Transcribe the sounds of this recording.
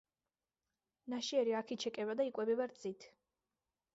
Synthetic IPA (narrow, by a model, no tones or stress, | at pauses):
naʃiɛɾiakʰit͡ʃʰɛkʼɛβad̪aikʼɛbɛbaɾt̪sʼit̪ʰ